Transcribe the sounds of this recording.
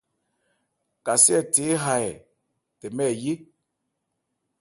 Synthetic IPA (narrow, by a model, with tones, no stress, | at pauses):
ka˨si˦ɛ˦˨te˨˦ɦa˨ɛ˨ | tɛ˨mɛ˦˨ji˦